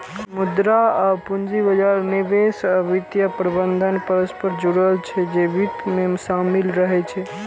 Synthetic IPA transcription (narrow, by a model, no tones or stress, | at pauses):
mud̪ɾaəpund͡ʒibəd͡ʒaɾneʋesəbit̪japɾəbənd̪ʱənpəɾəspəɾd͡ʒuɽəlt͡ʃʰɛd͡ʒeʋit̪memsamilɾəɦɛt͡ʃʰɛ